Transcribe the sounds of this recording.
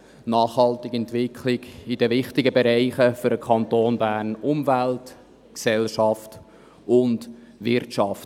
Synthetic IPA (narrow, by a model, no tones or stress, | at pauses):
nɑːχhɑltɪɡɛntvɪkʰlɪɡɪd̥ɛvɪχtɪɡəbɛɾæɪχəfʏɾəkʰɑntoːnbæːrnʊmvælt | ksɛlʃɑft | ʊnd | vɪrtʃɑft